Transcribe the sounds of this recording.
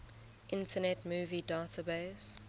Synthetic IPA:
ʔɪ̃ntʰənɛtmuːvidaːtʰəbeɪs

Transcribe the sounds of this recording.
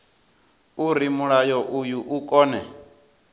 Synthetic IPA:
uɾimuɺajɔʔujuʔukʼɔːnɛ

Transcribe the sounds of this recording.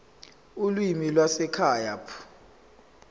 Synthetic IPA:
ulwimilwasɛkʰaːjapʰu̥

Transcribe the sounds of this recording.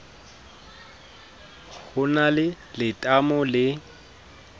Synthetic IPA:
hʊnalɪ | lɪtʼamɔlɪ

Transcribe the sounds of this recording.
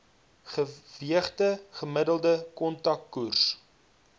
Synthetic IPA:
χəviəχtəχəmədəlˠdəkɔntɐkːurs

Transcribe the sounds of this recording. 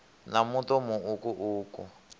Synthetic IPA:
namutɔmuukuʔuːkṵ

